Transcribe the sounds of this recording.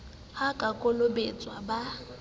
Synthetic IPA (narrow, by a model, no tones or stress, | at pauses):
hakʼakʼolobet͡sʼwaba